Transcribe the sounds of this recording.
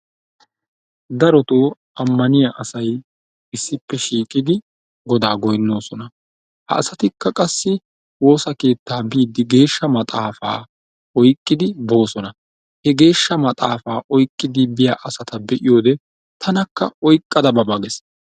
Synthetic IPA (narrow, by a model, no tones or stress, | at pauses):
d̪ɐɾɔt̪oː | ʔɐmːɐnɪjɐʔɐsɐj | ɪsːɪpːɛʃiːkʼɪd̪ɪ | ɡɔd̪aːɡɔjnːo̞ːsɔnɐ | hɐ̰ːsɐt̪ɪkːɐkʼɐsːɪ | wo̞ːsɐke̞ːt̪ːaːbiːd̪ɪɡe̞ːʃːɐmɐt̪ʼaːfa̰ː | ɔjkʼːɪd̪ɪbo̞ːsɔnɐ | hɛɡe̞ːʃːɐmɐt̪ʼaːfaːʔɔjkʼːɪd̪ɪbɪjaʔɐsɐt̪ɐbɛʔɪjo̞ːd̪ɛ | t̪ʰɐnɐkːɐ̰ɔjkʼːɐd̪ɐbɐbɐɡɛs